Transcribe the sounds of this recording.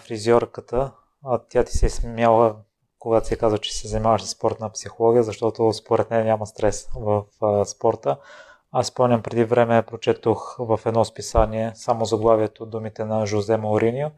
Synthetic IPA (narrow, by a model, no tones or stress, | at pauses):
fɾiziɔɾkət̪ə | t̪ʲjat̪i̥sɛsmjalˠə | koɡat̪ʊ̥sikazvət͡ʃɛ̥sɛzɐnimavəʃsə̥spɔɾt̪npsixolˠɔɡʲijəzɐʃt̪ɔt̪ospoɾɛt̪nɛnʲaməst̪ɾɛsvəfspɔɾt̪ə | aspɔnʲəmpɾɛd̪ivɾɛmɛpɾot͡ʃɛt̪oxvɐfɛd̪nɔspisaniɛsamozɐɡlˠaviɛt̪od̪umit̪ɛnɐʒozɛmoʊɾinio